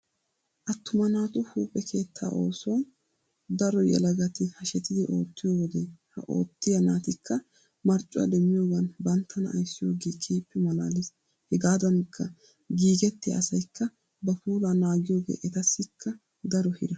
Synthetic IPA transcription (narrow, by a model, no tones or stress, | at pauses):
ʔɐt̪ːʊmɐnaːt̪ʊhuːpʼːɛkʰe̞ːt̪ʰːa̰ːʔo̞̰ːsɔwɐn | d̪ɐɾɔjɛ̰lɐɡɐt̪ɪhɐʃɛt̪ɪd̪ɪʔo̞ːt̪ːɪjowɔd̪ɛhɐ̰ʔo̞̰ːt̪ːɪjɐnaːt̪ɪkːɐ | mɐɾt͡ʃʼʊɐ̰d̪ɛmːɪjoːɡɐnbɐnt̪ʰːɐnɐ̰ʔɐ̰jsːɪjo̞ːɡeːkʼʰeːpːɛmɐlaːlɪs | hɛɡaːd̪ɐnkʰːɐ | ɡiːɡɛt̪ːɪj̰ɐsɐjkːɐ | bɐfuːlaːnaːɡɪjo̞ːɡḛːʔɛt̪ɐsːɪkʰːɐ | d̪ɐɾɔhɪ̰d̪ɐ